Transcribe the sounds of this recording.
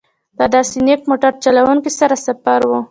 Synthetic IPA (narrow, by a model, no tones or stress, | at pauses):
d̪̥əd̪ɑsenek̚moʈaɾt͡ʃalawuŋkisaɾasafaɾwu